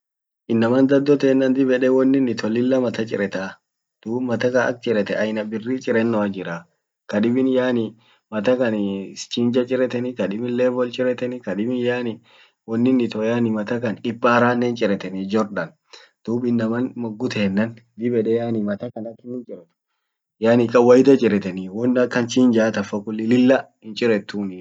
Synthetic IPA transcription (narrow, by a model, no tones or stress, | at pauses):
ʔɪnːɐmɐnd̪ɐd̪ːɔt̪eːnːɐnd̪ɪbɛᶑɛwɔnːɪnːɪt̪ʰɔlːɪlːɐmɐt̪ɐt͡ʃʼɪ̰ɾɛt̪a | d̪̥uːbmɐt̪ɐkɐnɐ̰k̚t͡ʃʼɪɾɛt̪ɛʔɐjnɐbɪrːiːt͡ʃʼɪɾɛnːɔɐd͡ʒɪɾa | kɐᶑɪbɪnjaːnɪ | mɐt̪ɐkɐnst͡ʃiːnd͡ʒɐt͡ʃʼɪɾɛt̪ɛnɪkɐᶑɪbɪnleːbɔlt͡ʃʼɪɾɛt̪ɛnɪkɐᶑɪbɪnjaːnɪ | wɔnːɪnːɪt̪ɔjaːnɪmɐt̪ɐkɐnɪbːaːɾaːnːɛnt͡ʃʼɪɾɛt̪ɛnɪd͡ʒɔɾɗɐn | d̪̥uːbɪnːɐmɐnmɔɡːʊt̪ɛːnːɐnd̪ɪbɛᶑɛjaːnɪmɐt̪ɐkɐnɐkːɪnːɪt͡ʃʼɪɾɛt̪ʊ̥ | jaːnɪkʼɐwɐjɪt̪ɐt͡ʃʼɪɾɛt̪ɛnɪwɔnːɐkːɐnt͡ʃiːnd͡ʒaːt̪ɐfːɐkʊlːɪlɪlːɐhɪnt͡ʃʼɪɾɛt̪ːunɪ